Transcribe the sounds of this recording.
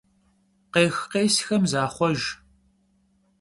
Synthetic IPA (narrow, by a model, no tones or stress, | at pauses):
qeːxqeːsxɐmzaːχʷɔʒ